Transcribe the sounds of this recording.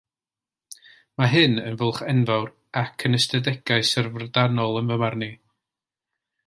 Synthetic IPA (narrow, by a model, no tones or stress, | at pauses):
maɦɨnənvəlˠχɛnvawr | akʰənəstʰədɛɡ̥aɨsərvrdanɔlˠənvəmarni